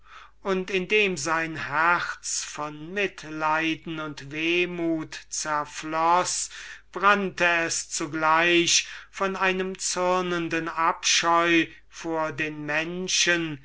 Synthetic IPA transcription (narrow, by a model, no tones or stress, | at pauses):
ʔʊntɪndeːmzaɪnhɛæʁt͡sfɔnmɪtlaɪdn̩ʊntveːmuːtt͡sɛɐflɔsb̥ʁantəɛst͡suɡlaɪʃfɔnaɪnəmt͡sʏɐnəndənapʃɔʏ | foːɐdeːnmɛnʃən